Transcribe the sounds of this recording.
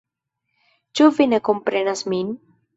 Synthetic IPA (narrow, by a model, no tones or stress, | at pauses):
t͡ʃuvinekompɾenasmin